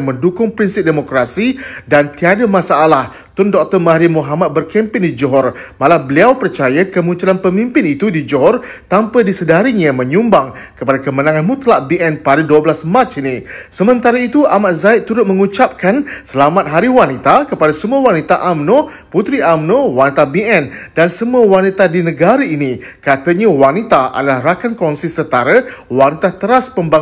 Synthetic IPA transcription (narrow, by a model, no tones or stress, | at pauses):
ŋmə̃ndukʊŋpɾinsɪp̚demokɾasidant̪iadamãsaːlah | t̪ʊndɔk̚t̪ɔrmaɦɾimuɦamat̪̚bərkɛmpɪndid͡ʒɔɦɔrmalahbəliawpərt͡ʃajakəmũɲt͡ʃulanpəmimpɪnit̪udid͡ʒɔɦɔrt̪ampədisədaɾiɲamə̃ɲũmbaŋ | kəpadakəmənãŋanmũt̪laʔbiɛnpaɾaduəblasmãt͡ʃinisəmə̃nt̪aɾəit̪uʔamaʔzaɪt̪ːuɾʊt̪̚mə̃ŋut͡ʃap̚kansəlamãt̪̚ɦaɾiwanit̪akəpadasəmuawanit̪aʔamnõ | put̪ɾiʔamnowanit̪abiɛndansəmuawanit̪adinə̃ɡaɾəini | kat̪əɲawanit̪aa̰dalahrakankɔnsisənt̪aɾəwanit̪at̪əɾaspəmba